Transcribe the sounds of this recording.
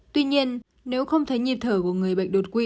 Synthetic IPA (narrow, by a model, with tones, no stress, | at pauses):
t̪wi˧ɲi˧ənː | e˨˦wxə˧wŋ͡mt̪ʰə˨˦jɲi˨˩p̚t̪ʰəː˧˩ku˧˩əŋɨ˨˩əjɓa̰˧˨jk̟̚ɗo˨˩t̚kwi˧